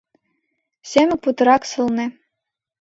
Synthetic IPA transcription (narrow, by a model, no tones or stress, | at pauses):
sʲemʲɘ̆k̚put̪ɤ̆ɾɑksɤlˠnɘ̆